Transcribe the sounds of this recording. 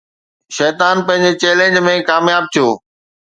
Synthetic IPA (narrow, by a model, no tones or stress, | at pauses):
ʃɛːt̪aːnpɐ̃ɦɪ̃ɲd͡ʑet͡ɕeːlẽnd͡ʑmẽkaːmjaːb̚t̪ʰijoː